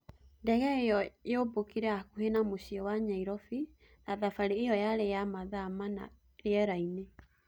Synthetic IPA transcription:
ndɛɣɛejɔjobokiɾɛakuhenamoɕiɔwaɲaiɾɔfi | naðafaɾeːjɔjaɾejamaðamana̰ | eɛɾaine

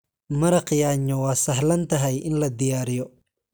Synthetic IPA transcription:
mɐɾɐqjaːɲːɔwɑːsɐhlɐnt̪ʰɐɦɛjʔɪnlɐd̪ɪjaːɾɪjɔ

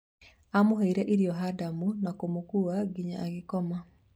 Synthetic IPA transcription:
amoɦeiɾɛʔiɾiɔɦadamunakomokuaɡiɲaʔaɡɪkɔma

